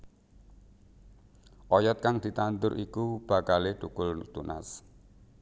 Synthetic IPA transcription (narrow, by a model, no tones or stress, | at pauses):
ʔɔjɔt̪̚kaŋd̪̥i̤t̪ant̪ʊɾʔikub̥ä̤kalehʈ̪ukʊlt̪unʔa̰s